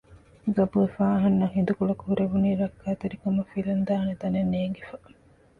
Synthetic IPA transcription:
ɡɐbuefaːɐɦɐnːɐhɦind̪ukuɭɐkuɦuɾebuniːɾɐkːaːt̪eɾikɐmɐfilɐnd̪aːɦɐnet̪ɐnenːeːŋɡefɐ

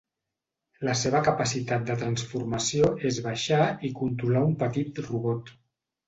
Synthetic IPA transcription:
ləseβəkəpəsit̪at̪̚d̪ət̪ɾənsfuɾməsijoʔezβaʃaikunt̪ɾulaumpət̪it̪ruβɔt̪

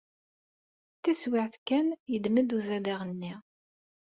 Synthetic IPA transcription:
θæswɪʕθkːænjəd̪məd̪uzæd̪aʁənːi

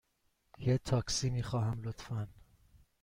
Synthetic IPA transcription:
jet̪ʰɒːksiːmiːxɒːɦæmlot̪fæn

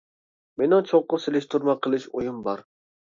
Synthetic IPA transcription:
menɪŋt͡ʃʰoqːʊselɪʃt̪ʰuɾmɛqʰəlˠɪʃojumbɑɾ

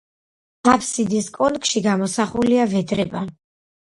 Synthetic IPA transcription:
apʰsid̪iskʼɔnkʼʃiɡamɔsaχuliavɛd̪ɾɛba

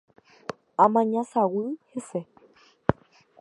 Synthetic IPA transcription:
amaɲasaɣuhɪsɛ

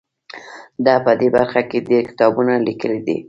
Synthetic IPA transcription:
d̪ɑpəd̪ebaɾxaked̪ekɪ̥t̪ɑbunalikəlid̪ḭ

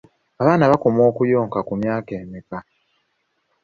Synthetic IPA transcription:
aβaːnaβakomo̞ːkujo̞ːŋkakumjaːke̞ːmika

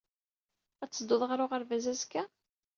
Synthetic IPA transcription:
æt͡sːd̪ʊðˤʁɾʊʁəɾvæzæzkːæ

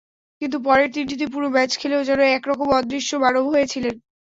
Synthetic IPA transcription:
kint̪up̬ɔɾeɾt̪inʈ̬it̪ip̬uɾomɛt͡ɕkʰeleod͡ʑɛnoɛkɾɔkomɔd̪ɾiʃːobaɾoɦojet͡ɕʰilen

